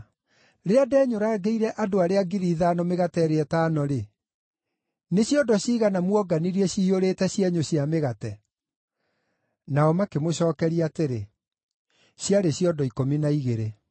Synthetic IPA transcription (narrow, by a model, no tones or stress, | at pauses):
ɾeadɛːɲoɾaɡeiɾɛʔadoaɾeaɡiɾiːðaːnɔmeɣatɛɾeɛtaːnɔɾe | neɕjɔdɔɕiːɣanamwɔɡaniɾɛɕiːoɾetɛɕjɛɲoɕiameɣatɛ | naɔmakemoɕɔːkɛɾiateɾe | ɕjaɾeɕiɔdɔikominaiɣeɾe